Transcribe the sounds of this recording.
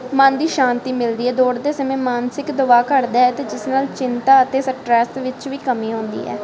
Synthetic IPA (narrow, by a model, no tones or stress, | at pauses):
mənd̪iːʃãːnt̪iːmɪld̪iːɛːd̪oːɽd̪eːsəmẽːmaːnsɪkd̪ʊʋaːkəɾd̪aːɛːt̪eːd͡ʒɪsnaːlt͡ʃɪnt̪aːət̪eːsək̚ʈɾɛːstʋɪt͡ʃʋiːkəmiːɦõːnd̪ḭːɛ̰ː